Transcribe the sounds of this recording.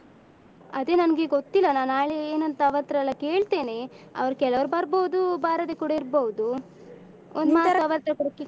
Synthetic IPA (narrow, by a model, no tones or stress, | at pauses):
ɐd̪e̞ːnɐnɡeɡot̪ːilːɐnaːnaːɭeeːnɐnt̪ɐɐʋɐɾt̪ɾɐɐlːɐke̞ːɭt̪e̞ːne̞ɐ̰ʋɐɾɐkɛlɐʋɐɾubɐɾboud̪ubaːɾɐd̪eːkuɽaɐiɾboud̪u | ond̪maːɐʋɐɾt̪ɾɐkuɽɐkːe